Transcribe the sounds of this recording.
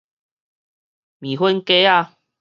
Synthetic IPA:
mi˨˩ɦwə˦nke˦a˧˨

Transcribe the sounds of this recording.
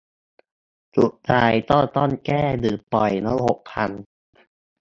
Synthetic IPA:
su˨˩ʔt͡ɕ̪ʰaː˧jt̪ɔː˥˩t̪ɔː˥˩nkɛː˥˩dɯː˨˩pːɔ˨˩jnɔ˦˥ho˨˩k̚pʰa˧n

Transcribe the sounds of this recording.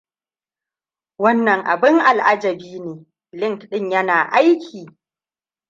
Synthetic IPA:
wɐ˦nːɐ˨ŋʔa̰˨bɪ˦ŋʔa˨lʔa˦d͡ʒɐ˨biː˦neː˨ | lɪ˦ŋtɗɪ˦ɲjɐ˦naː˨ʔa˦jkʲʰiː˨

